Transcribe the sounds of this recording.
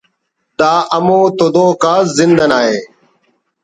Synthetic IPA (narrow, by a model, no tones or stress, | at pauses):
d̪aːʔəmoːt̪od̪oːkaːzɪnd̪ənaːɦeː